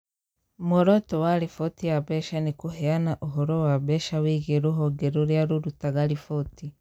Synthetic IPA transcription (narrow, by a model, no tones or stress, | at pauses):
moɾotowaɾifotijaβɛʃanikuɦeanaʔuɦoɾowaβɛʃawiɣeɾuɦoɡeɾoɾjaɾuɾutaɣalifoti